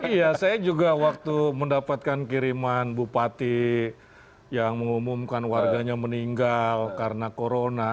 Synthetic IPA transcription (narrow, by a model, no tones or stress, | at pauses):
ijasajad͡ʒuɡawak̚t̪uməndapat̪̚kankiɾimanbupat̪i | jaŋməŋumumkanwarɡaɲaməniŋɡalkaɾənakoɾona